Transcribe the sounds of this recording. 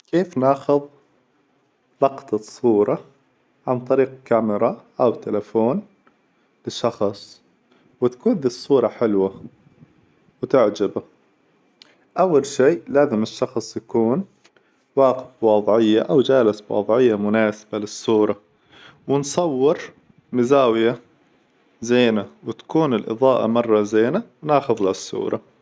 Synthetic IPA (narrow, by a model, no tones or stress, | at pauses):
keːfnaːxʊðˤ | lɑqt̪ˤɑsˤuːɾˤɑ | ʕant̪ˤɑɾiːq̚kamɪɾˤɑʔawt̪ɪlafoːn | lɪʃːɑxsˤ | wɪt̪kuːnðiːsˤːuːɾˤɑħɪlwa | wɪt̪ɪʕd͡ʒaba | ʔawːalʃiːlaːzɪmɪʃːɑxsˤjakuːn | waːqɪfwɑːðˤʕɪjːaʔawd͡ʒaːlɪsbwɑ̰ːðˤʕɪjːamʊnaːsɪ̥balɪsˤːuːɾˤɑ | wɪnsˤɑwːɪɾ | mɪzaːwɪja | zeːnawɪt̪ḁkuːnɪlʔɨ̰ðˤɑːʔɑ̰mɑrˤːɑzeːnawnɑːxʊðlasˤːṵːɾˤɑ